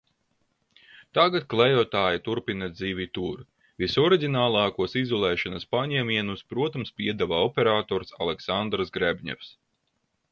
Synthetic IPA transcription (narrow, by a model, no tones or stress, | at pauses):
t̪aɡat̪̚klˠɛjɔɔt̪aːjit̪uɾpinad̪ziːvʲit̪uːɾ | visɔɾiɡʲinaːlˠɑːkuɔsizɔlˠɛːʃɔnaspaɲɛmʲiɛnuspɾuɔt̪amspʲiɛd̪avaɔpʲɛɾaːt̪ɔːɾsalˠɛksand̪ɾsɡɾɛbʲɲɛ̰fs